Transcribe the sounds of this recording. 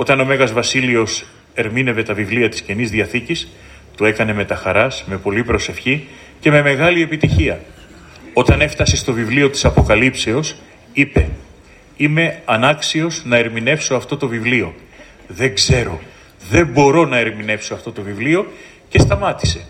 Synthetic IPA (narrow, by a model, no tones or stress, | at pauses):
o̞t̪ɐno̞me̞ɣɐzvɐsilio̞s | e̞ɾmine̞ve̞t̪ɐvivliɐt̪i̥sce̞nizðiɐθicis | t̪ue̞kɐne̞me̞t̪ɐxɐɾɐsme̞po̞lipɾo̞se̞fçi | ce̞me̞me̞ɣɐlie̞pit̪içiɐ | o̞t̪ɐne̞ft̪ɐsist̪o̞vivlio̞t̪i̥sɐpo̞kɐlipse̞o̞s | ipe̞ | ime̞ɐnɐksio̞znɐe̞ɾmine̞fso̞ɐft̪o̞t̪o̞vivlio̞ | ðe̞ɡze̞ɾo̞ | ðe̞mbo̞ɾo̞nɐe̞ɾmine̞fsoɐft̪o̞t̪o̞vivlio̞ | ce̞st̪ɐmɐt̪i̥se̞